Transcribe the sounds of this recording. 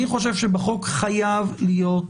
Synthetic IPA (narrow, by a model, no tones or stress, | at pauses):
iχo̞ʃ̬e̞vʃebeχo̞kχajavlijo̞t